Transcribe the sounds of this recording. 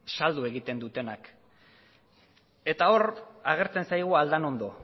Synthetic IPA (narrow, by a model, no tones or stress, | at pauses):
sald̪ue̞ɣit̪e̞nd̪ut̪e̞nak | e̞t̪ao̞raɣ̞e̞ɾt͡se̞nsajɣ̞uald̪ano̞nd̪o̞